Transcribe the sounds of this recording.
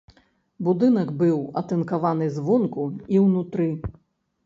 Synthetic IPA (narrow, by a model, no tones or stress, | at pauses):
bud̪ɨn̪ɐɡbɨwɐ̰t̪ɛnkavanɨzvɔnkuiwnut̪ɾɨ